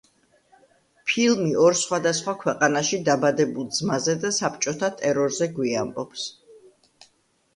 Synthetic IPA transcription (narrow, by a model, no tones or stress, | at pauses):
pʰilˠmiʔɔɾsχwad̪asχwakʰwɛqʼanaʃid̪abad̪ɛbulˠd̪zmazɛd̪asapt͡ʃʼɔt̪ʰat̪ʼɛɾɔɾzɛɡwia̰mbɔps